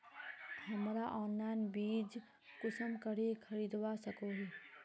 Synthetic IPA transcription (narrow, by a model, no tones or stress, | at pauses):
həmɾaʔɔːnlaːɪnbiːd͡ʒ | kʊsəmkəɽekʰəɾiːd̪wasəkoɦɛ